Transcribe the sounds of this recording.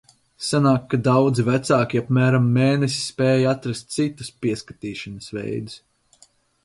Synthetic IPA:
sanaːkːad̪awd̪zivæt̪saːkʲiapmæːɾamːeːnɛsi̥spɛːjat̪ɾast̪̚t̪sit̪u̥spʲiɛskat̪iːʃanɐsvɛ̰jd̪us

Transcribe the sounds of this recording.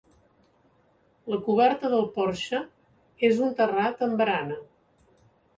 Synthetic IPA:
ləkuβɛɾt̪əðəlˠpɔɾʃə | ezunt̪ərat̪əmbɾanə

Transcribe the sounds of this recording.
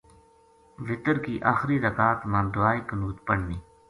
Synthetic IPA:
ʋɪt̪əɾkiːʔaːxɾiːɾəkaːt̪mãːd̪ʊaːiːkənuːt̪pəɽ̤niː

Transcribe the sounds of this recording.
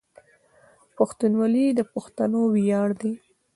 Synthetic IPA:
paxt̪unwɑlid̪əpʊxt̪anowijɑɽd̪i

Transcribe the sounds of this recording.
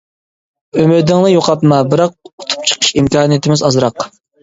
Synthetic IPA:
ømɪd̪ɪŋlˠɨjoqʰɑp̪mɑbɪɾɑq̚ʊ̥t̪ʰu̥p̚t͡ʃʰə̥qʰə̥ʃimkɑːnijet̪ʰɪmɪzɑzɾɑq

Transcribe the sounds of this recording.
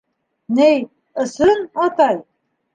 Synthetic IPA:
nej | ɤ̆sɤnɑt̪ɑj

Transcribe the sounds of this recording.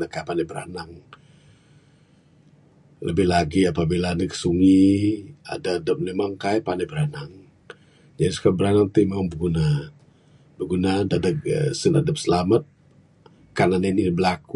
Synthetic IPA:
nakajpanɛbəɾa̰naŋ | ləbɪhlaɡiapabilanikə̥suŋi | a̰daːdəp̚nemaŋkajpanɛbəɾanaŋ | d͡ʒadisu̥kabəɾanaŋt̪imaŋbəɡuna | bəɡunadadəksəna̰dəp̚səlamat̪̚ | kananinibəlaku

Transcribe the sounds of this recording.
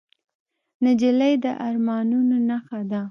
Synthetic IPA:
nad͡ʒilajd̪əʔaɾmɑnunonaxad̪a

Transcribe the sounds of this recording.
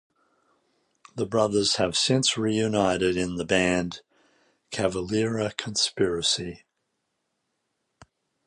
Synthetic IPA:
ðəbɹʌðə˞z̥ɨv̥sɪ̃nsɹijʉnaɪɾɨɾɪ̃nðəbæ̃n | kʰævəlɪɹɨkʰə̃n̩spɪɹɨsi

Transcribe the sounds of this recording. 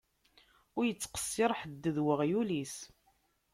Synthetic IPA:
ʊɾjət͡sːqə̥sːɪɾˤħəd̪ːəðwəʁjulis

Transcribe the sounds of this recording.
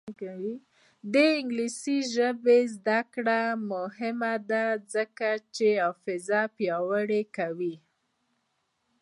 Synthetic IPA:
wi | d̪əɪŋɡlisiʒəbezd̪akɽamʊhɪmad̪azəkat͡ʃeafɪzapjɑwəɽekawi

